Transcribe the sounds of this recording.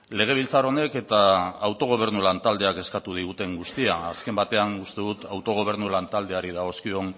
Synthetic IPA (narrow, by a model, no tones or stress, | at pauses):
le̞ɣ̞e̞β̞ilt͡saro̞ne̞ke̞t̪aːwt̪o̞ɣ̞o̞β̞e̞ɾnulant̪ald̪e̞ake̞skat̪uð̞iɣut̪e̞ŋɡust̪iaːske̞mbat̪e̞aŋɡust̪e̞ðut̪awt̪o̞ɣ̞o̞β̞e̞ɾnulant̪ald̪e̞aɾið̞aɣ̞o̞skio̞n